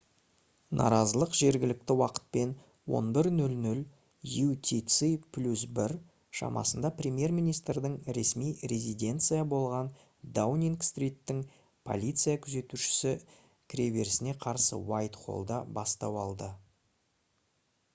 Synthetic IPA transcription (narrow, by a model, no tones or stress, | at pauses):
nʔɑ̰ɾɑzəlˠəqʒ̥e̞ɾɡʲɪlɪk̚t̪ɪwɑqə̥t̪̚pe̞n | wo̞̰nbɪɾnɵlnɵl | jut̪ʲʰit̪sipʰlʲus̬bɪɾ | ʃɑ̰mʔɑ̰sənd̪ɑprʲemje̞rmʲijnijst̪rd̪ɪŋɾe̞smijɾʲe̞zid̪ʲe̞nt̪sɨjabo̞lˠʁɑn | d̪awnʲiŋkst̪rʲijt̪ːɪŋ | pʰo̞̰lʲit̪sɨjakʲʰʏze̞t̪uʃɪ̥sɪ | kʲʰɾʲeve̞ɾɪsɪne̞qʰɑɾsə̰wajt̪qʰo̞̰lˠd̪ɑbɑst̪ɑwɑlˠd̪ə